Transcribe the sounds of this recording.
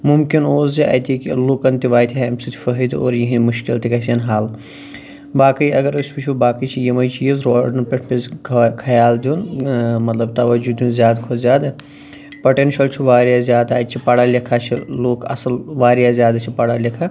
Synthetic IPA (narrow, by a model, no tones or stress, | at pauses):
mumkinoːzziɐ̰jt̪ʰikiloːkɐnt̪iʋaːjt̪ʰʲiɦemsit̪ʰi̥fɐɦid̪o̰ːɾjɐɦinmuʃkilt̪ikɐsʲɐnɦaːl | baːkəjɐɡɐɾɐsʲpit͡ʃʰubaːkit͡ʃʰijɐmɐjt͡ʃʰijizɾoːɖɐnpʲeʈʰpʲezkʰkʰɐjaːld̪ʲjunmɐt̪lɐb̚t̪ɐʋɐd͡ʒud̪d̪ʲunzʲjaːd̪kʰozjaːd̪ɐ | pɐʈenʃɐlt͡ʃʰuʋaːɾjazjaːd̪aːjt̪t͡ʃʰipɐɽaːlɐkʰaːt͡ʃʰiloːkɐ̰sɐlʋaːɾjazjaːd̪at͡ʃʰipɐɽalʲɐkʰa